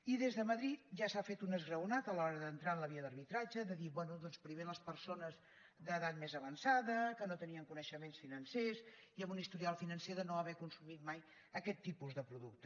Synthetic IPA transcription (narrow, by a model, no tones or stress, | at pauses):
iðezðəməðɾit̪̚ʒasafet̪unəzɣɾəwnat̪əlɔɾəðənt̪ɾanləβiəðərβit̪ɾad͡ʒəðəðiβwɛnuðɔnspɾimeləspəɾsonəz | d̪əðat̪̚mezəβənsaðəkənot̪əniəŋkunəʃəmensfinənses | iəmbunist̪uɾialˠfinənseðənoəβɛkunsumit̪̚maj | əkɛt̪ːipuzðəpɾuðuk̚t̪ə̥